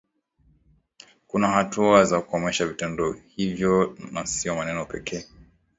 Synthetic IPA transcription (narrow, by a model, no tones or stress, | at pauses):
kunahatuazakuɔmɛʃavitɛndɔhivjɔnasiɔmanɛnɔpɛkʰɛː